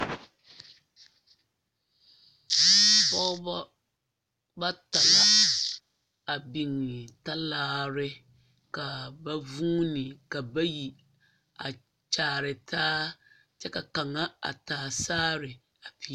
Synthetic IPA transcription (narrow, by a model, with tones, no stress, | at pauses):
pɔ˦ | ba˦ta˨la˨ | a˨bi˨ŋɪ˨ta˦laː˦ɾɪ˦ | ka˨ba˦vuː˦nɪ˨ka˨ba˦ji˨ | a̰˨ | t͡ʃaː˨˦˨ɾɪ˨tʰaː˦ | t͡ʃɛ˦ka˨ka˨ŋa˦a̰˨taː˨saː˦ɾɪ˨ | a˨pi˨˦